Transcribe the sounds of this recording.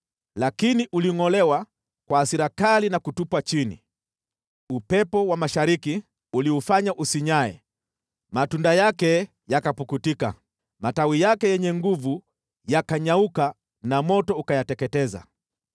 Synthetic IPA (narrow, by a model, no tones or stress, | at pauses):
lakiniʔuliŋɔlɛwa | kwaːsiɾakalinakutupwat͡ʃinḭ | upɛpɔwamaʃaɾiki | uliufaɲaʔusiɲaɛ̰ | matundajakɛ | jakapukutika̰ | matawijakɛjɛɲɛŋɡuvu | jakaɲauka | namɔtɔukajatɛkɛtɛza̰